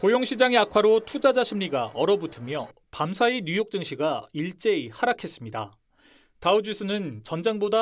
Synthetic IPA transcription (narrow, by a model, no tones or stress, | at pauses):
kojoŋɕʰid͡ʑaŋeakʰwaɾotʰud͡ʑad͡ʑaɕʰimɲiɡaʌɾʌbutʰɯmjʌ | pamsʰaiɲujok̚t͡ɕ͈ɯŋɕʰiɡaiɭt͡ɕ͈e̞ihaɾakʰe̞s͈ɯmɲida̰ | taud͡ʑisʰɯnɯnt͡ɕʌnd͡ʑaŋboda